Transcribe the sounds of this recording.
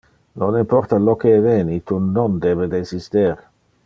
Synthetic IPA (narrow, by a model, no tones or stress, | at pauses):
nonimpɔrt̪alok̟ːeveːnit̪unond̪ɛːved̪esist̪eɾ